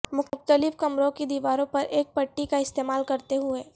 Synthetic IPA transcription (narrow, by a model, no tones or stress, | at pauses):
mʊxkt̪əlɪfkɐmɾõkid̪iːʋaːɾõpɐɾʔeːk̚pɐʈːikaɪst̪eːmaːlkɐɾt̪eɦʊeː